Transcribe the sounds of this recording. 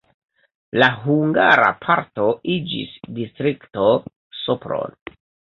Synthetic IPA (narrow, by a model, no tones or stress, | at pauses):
laɦuŋɡaɾa̰pʰaɾto̞ʔid͡ʒḭsdistɾikto̞ | sopɾo̰n